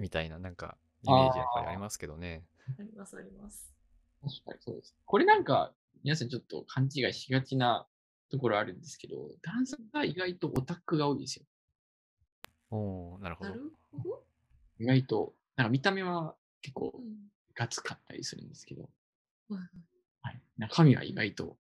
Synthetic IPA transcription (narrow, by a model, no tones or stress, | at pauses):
mʲit̪ainanãŋka̰ | iaeʑiia̰ɾʲimasɨ̥ke̞d̪o̞ne̞ | isɾʲimas | o̥t̪a̰ɾʲiso̞̰ːd̪e̞sɨ̥neko̞ɾe̞nãŋka̰ | mʲinas̬ãɲ̟t͡ɕo̞t̪ːo̞̰kʰãɲ̟t͡ɕiɡaiçiɡat͡ɕina | t̪o̞ko̞ɾo̞aɾɯ̟̃nd̪esɨ̥ke̞d̪o̞̰d̪̥ãɰ̃sãŋɡaiɡait̪o̞ʔot̪akɯ̟ɡao̞ːid̪e̞sɨjo | oːnaɾɯ̟ho | oo | iɡait̪o̞ | nãŋkamʲit̪ame̞β̞a | ke̞kːo̞̰ː | ɡ̥at͡sɨ̥kat̪ʰːa̰ɾʲḭsɨɾɯ̟̰̃nd̪e̞sɨ̥ke̞d̪o̞̰ | hainãŋkakʰamʲiβa̰ḭɡa̰it̪o̞̰